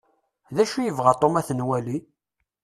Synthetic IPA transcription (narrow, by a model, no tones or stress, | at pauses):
ðæʃujəvʁat̪ˤomæθnwæli